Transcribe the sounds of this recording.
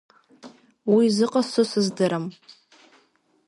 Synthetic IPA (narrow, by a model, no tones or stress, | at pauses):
wizɨqʼasɨsɨzdɨɾam